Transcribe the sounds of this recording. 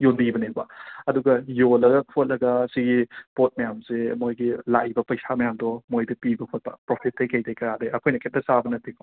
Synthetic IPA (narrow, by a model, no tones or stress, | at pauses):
jondibɐnebɐɐduɡɐjolɐɡɐot̚lɐɡɐsiɡipot̚mɐjamsemojɡilajbɐpɐjsamɐjamdɔmojdɐpibɐhʰot̚pɐ̰pɾopʰit̚ʰːejkɐjdejkɐjadeɐkʰojnɐkʰet̚dɐsabɐnɐtikʰ